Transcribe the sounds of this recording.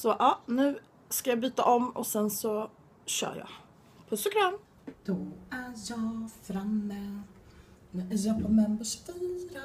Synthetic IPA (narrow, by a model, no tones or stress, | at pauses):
sɔʔɑːnʉ̟ː | skajɑːbyːt̪a̰ʔɔmɔ̰sɛnsɔ | ɕœ̰ːɾjɑ̰ | pʰɔsɔkʰɾan | d̪̥ɔæjɑːfɾamːɛ | nɛʔæjɑpʰɔmɛnbəʂfyːɾa